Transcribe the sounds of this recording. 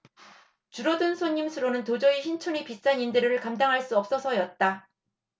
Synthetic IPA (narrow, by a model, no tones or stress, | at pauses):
t͡ɕuɾʌdɯnsʰoɲːimsʰɯɾonɯntod͡ʑʌiɕʰint͡ɕʰonipis͈aɲindɯɾɯɯɭkamdaŋɦaɭs͈uʌp̚s͈ʌsʰʌjʌt̚t͈a